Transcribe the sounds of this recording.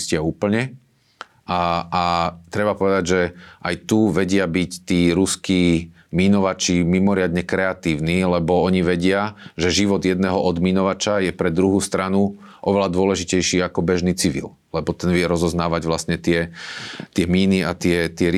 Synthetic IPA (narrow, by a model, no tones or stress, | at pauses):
scɪauːpl̩ɲɛ | aat̪ɾɛbapɔʋɛd̪aɟʒɛʔajt̪uʋɛɟɪabict̪iːɾuskiː | minɔʋat͡ʃimimɔɾɪad̪ɲɛkɾɛat̪iːʊniːlɛbɔɔɲiʋɛɟɪaʒɛʒiʋɔd̪jɛd̪nɛːɦɔʔɔd̪minɔʋat͡ʃajɛpɾɛd̪ɾuɦuːst̪ɾanu | ʔɔʋɛlad̪ʊɔlɛʒicɛjʃiːakɔbɛʒniːt͡siʋḭl | lɛbɔt̪ɛnʋɪɛɾɔzɔznaːʋaɟʋlast̪ɲɛt̪ɪɛt̪ɪɛmiːniat̪ɪɛt̪ɪɛɾi